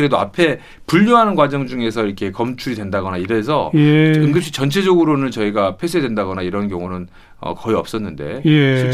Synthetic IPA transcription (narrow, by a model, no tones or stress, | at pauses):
ɯɾe̞doa̰pʰe̞ | puʎːoɦanɯnɡwad͡ʑʌŋd͡ʑuŋe̞s̬ʰʌiɾʌkʰe̞kʌmt͡ɕʰuɾidwe̞ndaɡʌnaiɾe̞s̬ʰʌ̰ɯŋɡɯp̚ɕ͈it͡ɕʌnt͡ɕʰe̞d͡ʑʌɡɯɾonɯɭt͡ɕʌiɡapʰe̞s̬ʰedwendaɡʌnaiɾʌnkjʌŋunɯn | ʌ̰kʌiʌp̚s͈ʌnːɯnde̞̰ei